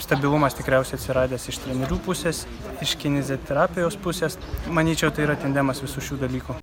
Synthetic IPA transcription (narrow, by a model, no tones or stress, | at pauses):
st̪ɐbʲɪlˠʊmɐst̪ʲɪkɾʲɛˑʊsʲɛɪt̪sʲɪɾɑːd̪ʲeːsɪʃt̪ʲɾʲɛnʲɛɾʲuːpʊsʲeːs | ɪʃkʲɪnʲɪzʲɛt̪ʲɛɾɑːpʲɪjoːspʊsʲeːsmɐnʲiːt͡ʃʲɛʊt̪ɐɪiːɾɐt̪ʲɛnʲd̪ʲɛmɐsʋʲɪsuʃʲuːd̪ɐlʲiːku